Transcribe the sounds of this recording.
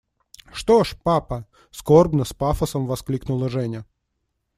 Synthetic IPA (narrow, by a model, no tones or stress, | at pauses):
ʂt̪oʂpapə | skorbnəspafəsəmvɐsklʲiknʊlˠəʐɛnʲə